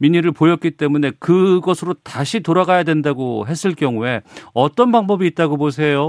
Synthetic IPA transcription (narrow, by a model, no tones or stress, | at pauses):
miɲiɾɯɭpojʌt̚k͈it͈e̞mune̞kɯɡʌsʰɯɾotaɕʰitoɾaɡajadwe̞ndaɡoɦe̞s͈ʰɯɭk͈jʌŋue̞ʌt͈ʌnbaŋbʌbiːt̚t͈aɡobos̬ʰe̞jo